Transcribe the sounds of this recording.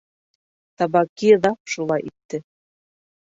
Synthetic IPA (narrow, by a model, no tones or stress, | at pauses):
t̪ɑbɑkiðɑpʃulˠɑjʔit̪ːɘ